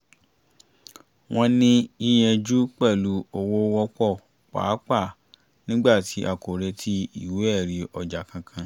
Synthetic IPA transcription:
w̃ɔ̃˦nĩ˦i˧j̃ɛ̃˧d͡ʒu˦k͡pɛ˦˨lu˨o˧wo˦wɔ˧k͡pɔ˦˨ | k͡pa̰ː˨˦k͡pa˦˨ | nĩ˦ɡ͡ba˦˨ti˨˦ʔa˨ko˨ɾɛ˧tʰi˦i˦˨we˦ɛ˦˨ɾi˧ɔ˨d͡ʒa˨kã˧kʰã˧

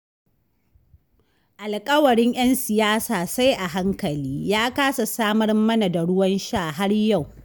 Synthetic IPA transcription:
ʔa˨lkʼɐ˦wɐ˨ɽɪ˦ɲj̰ɐ˦nsɪ˨jaː˦saː˨sa˦jʔa˨ɦa˦ŋkɐ˨liː˦jaː˦kaː˦sa˨saː˦mɐ˦rmɐ˦na˨da˨ɽʊ˦wɐ˦nʃaː˦˨ɦa˦ɽja˦˨w

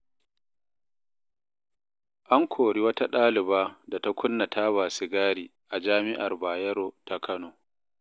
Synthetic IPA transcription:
ʔa˦ŋkʷʰoː˨ɽi˦wɐ˦ta˦ɗaː˦lɪ˨baː˦da˨ta˦kʷʰʊ˦nːɐ˨tʰaː˦baː˨sɪ˨ɡaː˦ɽiː˨ | ʔa˨d͡ʒaː˦mɪ˦ʔa˨rbaː˨jɐ˦ɾoː˨ta˨kʰɐ˦noː˨

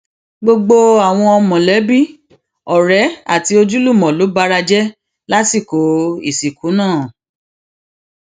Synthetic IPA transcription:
ɡ͡bo˧ɡ͡bo˧a˨w̃ɔ̃˧ɔ˧mɔ̃˨lɛ˨˦bi˦˨ | ɔ˨ɾɛ˨˦a̰˦˨ti˧o˧d͡ʒu˦lu˦˨mɔ̃˨lo˨˦ba˦ɾa˧d͡ʒɛ˦ | la˦si˦˨ko˨˦ḭ˦˨si˨ku˨˦nãː˦˨

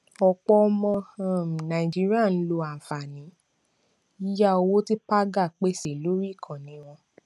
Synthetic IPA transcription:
ɔ˧k͡pɔ˧ɔ˧mɔ̃˧˦˨nã˨i˨d͡ʒi˦ɾi˦a˦˨n̩˦lo˧a˨fa˨nĩ˨˦ | i˦ja˦o˧wo˦ti˦pa˦ɡa˦˨k͡pe˦se˨lo˦ɾi˦˨kʰã˨nĩ˨˦w̃ɔ̃˧

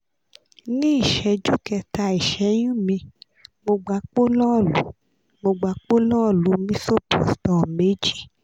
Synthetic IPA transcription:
nĩ˦i˦˨ʃɛ˧d͡ʒu˦˨kɛ˧ta˧˨i˨ʃɛ˨˦j̃ũ˦mĩ˧ | mo˧ɡ͡ba˨˧˦k͡po˦lɔ˦˨lu˨˦ | mo˧ɡ͡ba˨˧˦k͡po˦lɔ˦˨lu˨˦mĩ˦so˦po̰˨stɔ̃˨me˨˦d͡ʒi˦˨

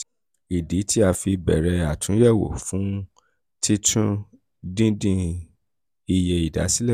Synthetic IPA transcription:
i˨di˨˦ti˦a˧fi˧bɛ̰˨ɾɛ˧a˨tũ˨˦jɛ˦˨wo̰˨fũ˨˦ | ti˦tʰũ˦ | dĩ˦dĩ˧ | i˧je˧i˨da̰˨˦si˦lɛ˦˨

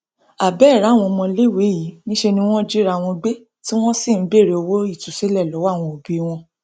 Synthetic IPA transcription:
a˨bɛ˨˦˨ɾa˨˦˨w̃ɔ̃˧mɔ̃˧le˦˨we˨˦ji˨˦nĩ˦ʃe˧nĩ˧w̃ɔ̃˦d͡ʒi˦ɾa˧˦˨w̃ɔ̃˧ɡ͡be˦ | ti˦w̃ɔ̃˦si˦˨˦be˦˨ɾe˧o˧wo˦i˦˨tu˨se˦lɛ˦˨lɔ˨˦wa˦˨w̃ɔ̃˧o˨bi˦˧w̃ɔ̃˧

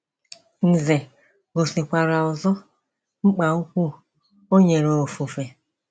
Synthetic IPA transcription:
n̩˨ze˨ | ɡo˨si˨kʷa˨ɾa˨ʊ˨zɔ˦ | ŋ͡m̩˦k͡pa˨u˦kʷu˦ | o˦ɲe˨ɾo˨o˨fu˨fe˨

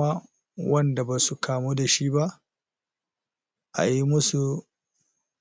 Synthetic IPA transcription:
a˦ | wɐ˦nda˨baː˨su˨kʰaː˨mu˦da˨ʃi˦ba˦ʔ | ʔa̰˨ji˦mʊ˦su˨

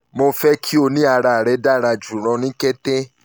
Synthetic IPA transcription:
mo˧fɛ˦kʰi˦o˧nĩ˦a˧ɾa˧˨ɾɛ˨˧˦da˦˨ɾa˧d͡ʒu˨ɾ̃ɔ̃˨˧nĩ˦kɛ˦tɛ̃˦

